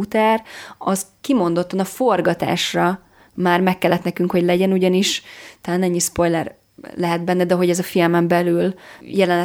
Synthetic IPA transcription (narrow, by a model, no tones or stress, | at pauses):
ut̪ɛrɒzkimo̞nd̪o̞t̪ːɒnɒfo̞rɡɒt̪a̰ːʃrɒ | maːrmɛkːɛlːɛt̪nɛkyŋkho̞ɟlɛɟɛnuɟɒniʃt̪ɛlaːnɛɲːispo̞jlɛr | lɛɦɛd̪̚bɛnːɛd̪ɛɦo̞ɟɛzɒfilmɛmbɛlyljɛlɛnɛ